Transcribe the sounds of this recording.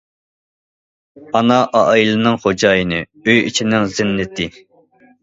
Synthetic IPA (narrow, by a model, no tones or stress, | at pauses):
ɑnɑʔɑʔjilˠɨnɨŋχod͡ʒɑːjinɨ | øjit͡ʃʰinɪŋzɪnːɪt̪ʰɪ